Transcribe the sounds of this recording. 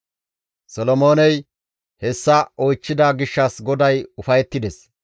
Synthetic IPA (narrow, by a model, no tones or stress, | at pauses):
sɔlɔmoːnɛj | hɛsːɐɔjt͡ʃːɪd̪aːɡɪʃːɐsɡɔd̪ɐjʊfɐjɛt̪ːɪd̪ɛs